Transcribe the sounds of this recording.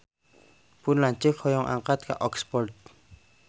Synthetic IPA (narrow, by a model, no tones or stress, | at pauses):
pʊnlaɲt͡ʃɪkhɔjɔŋʔa̰ŋqat̪̚ka̰ʔɔkspɔrt̪̚